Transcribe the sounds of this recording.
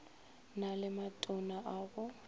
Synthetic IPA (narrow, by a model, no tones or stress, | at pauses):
nalɪmatʼɔnaʔaɣʊ